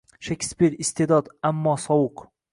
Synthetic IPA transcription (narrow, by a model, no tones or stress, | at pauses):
ʃakʰʲspiɾɪst̪ʰed̪ɒd̪amːɒsɒwɨq